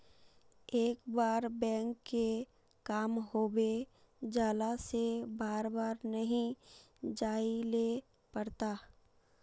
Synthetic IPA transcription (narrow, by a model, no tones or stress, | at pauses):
eːkbaːɾbɛ̃ːŋkːe | kaːmɦoːbe | d͡ʒaːlasebaːɾbaːɾnəɦĩ | d͡ʒaːile | pəɽt̪aː